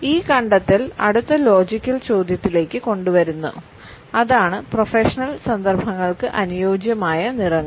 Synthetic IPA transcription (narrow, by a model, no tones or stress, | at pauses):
iːkɐɳɖɐt̪ːilɐ̰ɽut̪ːɐlo̞ːd͡ʑikʲːɐlt͡ɕo̞ːd̪jɐt̪ːile̞ːkʲːɨko̞ɳɖuʋɐɾunːṵ | ɐðaːɳɨprofeʂɐnɐlsɐnd̪ɐrbʱɐŋːɐɭkɨʔɐnujo̞ːd͡ʑjɐmaːjɐnirɐŋːɐ